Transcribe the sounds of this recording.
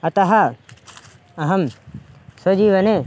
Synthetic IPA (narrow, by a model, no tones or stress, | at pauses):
ɐt̪ɐɦa | ɐɦɐm | sɐd͡ʒiːʋɐne